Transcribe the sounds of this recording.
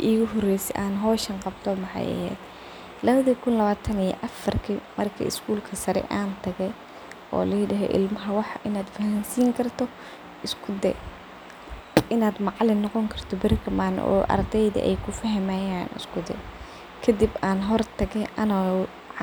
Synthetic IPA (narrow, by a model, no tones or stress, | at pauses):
ʔiːɣʊɦɔrɛjsɛ̰ʔaːnɦɔːʃɐnqɑbt̪ʰɔmɑħɑ̰jɐ̰hɛ̰ːd̪̥ | lɐβɐðikʰʊnlɐβaːt̪ʰɐnijɔ̰ʔɐfɐrkʰimɐrkʰɐ̰ɪ̰skʰuːlkʰɐsɐɾɛ̰ʔaːnt̪ʰɐɣɛj | ʔɔ̰ːlɐjɖɐɦɛ̰ʔɪ̰lmɐɦɐwɑħʔɪnaːd̪fɐhansiːŋkʰɐrt̪ʰɔ | ʔɪskʰʊd̪ɛ̰ | ʔɪnaːd̪mɑʕlɪnːɔqɔŋkʰɐrt̪ʰɔbɪrkʰɐmaːnʔɔ̰ːʔɐ̰rd̪ɛjðɐ̰ʔɛ̰jkʰʊfɐɦɐmajaːnɪ̰skʰʊd̪ɛ̰ | kʰɐd̪ibaːnɦɔrt̪ʰɐɣɛjʔɐnɔ